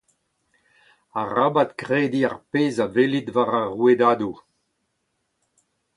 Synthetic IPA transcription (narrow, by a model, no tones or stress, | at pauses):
aʁabat̪kʁeːd̪iaʁpeːzavelit̪vaʁaʁwed̪ad̪u